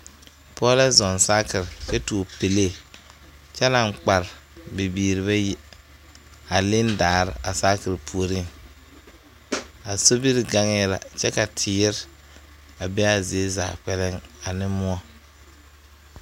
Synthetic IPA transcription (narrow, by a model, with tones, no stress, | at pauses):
pʰɔ˦la˦zɔ˨nsa˦kɪ˨ɾt͡ʃɛ˦tu˨o˨pe˨le˦˨ | t͡ʃɛ˦la˨ŋk͡pa˨ɾbe˨biː˨ɾi˨βa˦jɪ˦ | a˨lɪ˦ndaː˨ɾɪ˨ʔa˨saː˦kɪ˨ɾpʰu˨o˨ɾi˦ŋ | a˨so˦bi˦ɾɡa˦ŋɪ˦la̰˨t͡ʃɛ˦ka˨tʰɪ˨˦ɪ˦ɾ | a˨bɛ˦a˨ze˨e˦za̰ː˨k͡pɛ˦lɪ˦ŋa˨nɪ˦mʊ˦ɔ˦